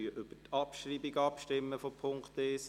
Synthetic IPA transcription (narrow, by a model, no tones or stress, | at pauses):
yəʔʏb̥ətʰɑpʃɾiːbiɡɑpʃtɪmːəfopʰoŋkt̪es